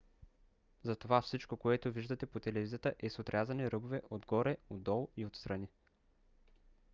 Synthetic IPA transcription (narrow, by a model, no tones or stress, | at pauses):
zɐt̪ovafsit͡ʃkokoɛt̪oviʒd̪ət̪ɛpot̪ɛlɛvizijət̪əʔɛsot̪ɾʲazɐniɾɤbovɛʔod̪ɡɔɾɛod̪ːɔlˠiot̪st̪ɾɐni